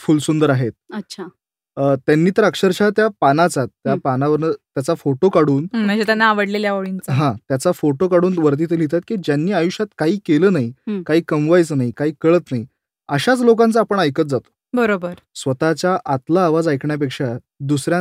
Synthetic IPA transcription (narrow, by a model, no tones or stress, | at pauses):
fulsund̪əɾaɦet̪̚əɕʰa | ət̪janːiːt̪əɾəkʂəɾɕat̪japanat͡sat̪ːjapanaʋəɾnət̪jat͡safoʈokaɽuːnm̤əd͡ʑet̪janːaːʋəɽleljaʋoɭint͡sɦãt̪jat͡safoʈokaɽuːnʋəɾt̪̬iːt̪ilit̪at̪̚kiːd͡ʑjanːiːajuɕat̪kaɦiːkeləːnaikaɦiːkəmʋajt͡sənaɦikaɦiːkəɭət̪nai | əɕat͡slok̬ãnt͡səapəɳəjkət͡s̪̚d͡zat̪o̥ | bəɾobəɾ | sʋət̪at͡ɕjaʔat̪laːʋad͡zajkɳjap̬ekʂa | d̪usɾja